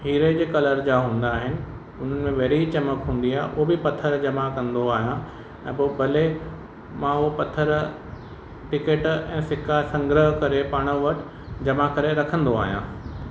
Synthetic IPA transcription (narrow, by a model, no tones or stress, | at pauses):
ɦiːɾed͡ʑeːkɐləɾd͡ʑaːɦũːnd̪aːɦɪnɪ̆ | ʊn̤ənɪ̆mẽʋɐːɾit͡ɕɐməkɦũːn̆d̪iaːɦeʔʊɦobɪpɐt̪ʰəɾd͡ʑɐmakɐ̃nd̪oaːɦijã | ɛ̃ːboːbɐle | mãʊɦopɐt̪ʰəɾ | ʈɪkeːʈɛ̃ːsɪkasɐ̃ŋɡɾəɦkɐɾepaːɽ̃əʋɐʈʰ | d͡ʑɐmakɐɾeɾɐkʰə̃nd̪oa̰ːɦijãː